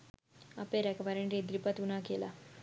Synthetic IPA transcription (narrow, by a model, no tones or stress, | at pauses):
a̰pẽɾɛkʋaɾenɾed̪ɾipət̪unakela